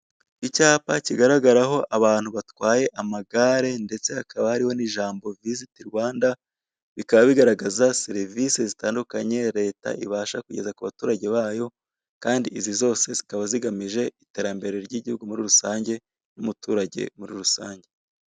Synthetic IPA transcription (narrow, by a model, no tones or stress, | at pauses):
icaːpaciɡaɾaɡaɾaɦo̞ʔaβaːn̥huβatwaːje̞ʔamaɡaɾe̞nde̞t͡se̞hakaβahaɾiho̞niʒaːmbo̞vizitiɾwaːnda | βikaβaβiɡaɾaɡazaseɾivisezitaːndukaɲe̞ɾe̞ːta̰ʔḭβaːʃakuɟe̞zakuβatuːɾaɟe̞βaːjo̞ | kaːndiʔizizo̞ːse̞zikaβaziɡamiʒe̞ite̞ːɾambe̞ɾe̞ɾɟiɟihuɡumuɾiɾusaːɲɟe̞ | numutuːɾaɟe̞̰muɾiɾusaːɲɟe̞